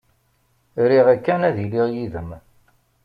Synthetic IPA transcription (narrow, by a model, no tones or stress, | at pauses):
ɾiʁækːænæðiliʁjiðəm